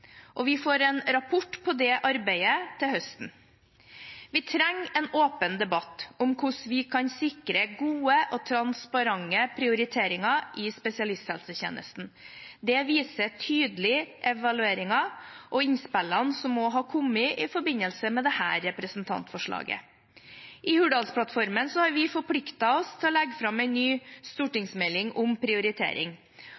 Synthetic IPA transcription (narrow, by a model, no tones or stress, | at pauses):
ʔɔʋɪfoːɾɛnɾɑpʰɔʈːpʰɔd̪ɛʔɑɾbæɪət̪ʰɪhœst̪n̩ | ʋɪt̪ʰɾɛŋːɛnoːpənd̪ɛbɑt̪ːʊmkʰʊʂʋɪkʰɑnsɪkɾəɡuːəʔɔt̪ʰɾɑnspɑɾɑŋːəpʰɾɪʊɾɪt̪ʰeːɾɪŋɑʔɪspɛsɪɑlɪst̪hɛlsəçḛːnə̰st̪n̩d̪ɛʋiːsətʰyːd̪lɪʔɛʋɑlʉeːɾɪŋɑʔɔɪnspɛlːɑnsɔmːɔɦɑːkʰɔmːɪʔɪfɔɾbɪnəlsəmɛd̪ɛhæ̰ːɾːɛpɾəsnt̪ʰɑ̰nt̪fɔʂɭɑ̰ːɡə̰ | ʔɪhʉːɖɑːlspʰlɑt̪fɔɾmənsɔhɑɾʋɪfɔɾpʰlɪkt̪ɑɔst̪ʰɪlɔlɛɡfɾɑmɛɪnnːyːst̪uːʈɪŋsmɛlɪŋʊmpʰɾɪʊɾɪt̪ʰḛːɾɪ̰ŋ